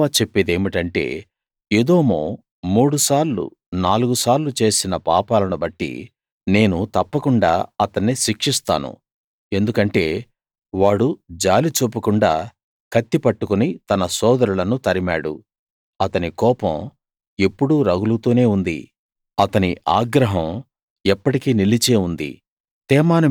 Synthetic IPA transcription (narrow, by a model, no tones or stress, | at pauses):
aːt͡ʃe̞pːed̪eːmiʈɐɳʈe̞̰ː | eːd̪oːmo̰ː | muːɽusaːɾlṵ | naːluɡusaːɾlut͡ʃe̞ːsinɐpaːpaːlɐnubɐʈːḭ | ne̞ːnut̪ɐpːɐkuɳɖa̰ːɐt̪ɐnːiʃikʂist̪a̰ːnṵ | e̞nd̪ukɐɳʈe̞ː | ʋaːɽud͡ʒaːlit͡ʃoːpːukuɳɖaː | kʰɐt̪ːipɐʈːukunit̪ɐnɐsɔːd̪ɐɾulɐnut̪ɐɾima̰ːɽṵ | ɐt̪ɐnikɔːpɐ̃m | epːuɽuɾɐɡulut̪oːne̞ːund̪ḭ | ɐt̪ɐniʔaːɡɾɐɦɐm | ɛpːɐʈikiːnilit͡ʃe̞ːund̪ḭ | t̪ɛːmaːnɐ